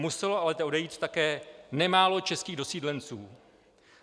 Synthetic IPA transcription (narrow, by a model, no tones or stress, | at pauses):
musɛloʔalɛt̪ʔodɛjiːt̪t̪akɛːnɛmaːlo̞t͡ʃɛskiːɣdo̞siːdlɛnt͡sṵː